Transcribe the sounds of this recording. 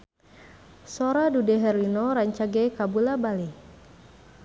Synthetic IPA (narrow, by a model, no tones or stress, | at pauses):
soɾadudɛɦɛrinoɾaɲt͡ʃaɡɛkabulabale